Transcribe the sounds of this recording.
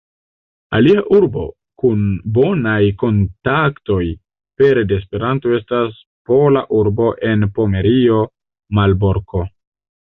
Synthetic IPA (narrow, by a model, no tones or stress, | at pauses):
a̰liaʔuɾbo̞̰ | kunbo̞najko̞ntakto̞j | pe̞ɾdeːspe̞ɾanto̞e̞stas | po̞laʔuɾbo̞ʔe̞npo̞me̞ɾio̞ | malbo̞ɾko̞